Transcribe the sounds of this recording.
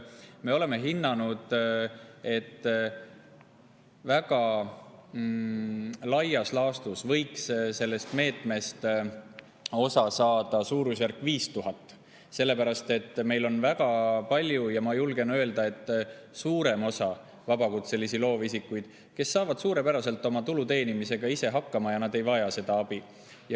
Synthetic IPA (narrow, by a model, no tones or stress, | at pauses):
me̞o̞le̞me̞ɦinːɑnud̪̥ | e̞t̪ː | væɡ̥ɑ | lɑjɑslɑːst̪usvɤjksse̞lːe̞st̪me̞ːt̪ˑme̞st̪ | o̞sɑsɑːd̪̥ɑsuːɾusjæɾkːˑviːst̪uɦɑt̪ːˑ | se̞lːe̞pæɾɑst̪e̞t̪ːme̞jlo̞nvæɡɑpɑlʲjujɑmɑjulɡe̞nø̞eld̪ɑe̞t̪ːˑ | suːɾe̞mo̞sɑ | vɑbɑkut̪se̞lːisilo̞ːvisikːˑujd̪̥ | ke̞sːɑːvɑd̪̥suːɾe̞pæɾɑse̞lt̪ːˑo̞mɑt̪ulut̪e̞ːnimise̞ɡ̥ɑise̞ɦɑkːɑmɑjɑnɑd̪e̞jvɑjɑse̞d̪̥ɑɑb̥i | jɑ